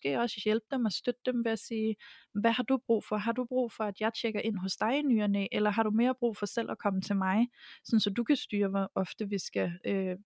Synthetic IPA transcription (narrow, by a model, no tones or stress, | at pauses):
sɡ̥e̝̰ːɒ̽sə̥jelb̥əd̥emæsd̥ød̥əd̥emʋe̝æsiːʋæhɑ̈d̥ub̥ʁṵːfɒ̽ɦɑ̈d̥ub̥ʁṵːfɒ̽æd̥jɑ̈ɪt͡ɕʰeɡ̥ɐʔe̝n̰ɦɔ̽sd̥ɑ̈ɪnyːɐneʔelɐɦɑ̈ɾ̥ume̝ːɐb̥ʁṵːfɒ̽sel̰ʔækʰɒ̽mət͡sʰe̝lmɑ̈ɪsɒ̽nsɒ̽d̥ukʰæsd̥yːɐɒ̽fd̥əʋisɡ̥æø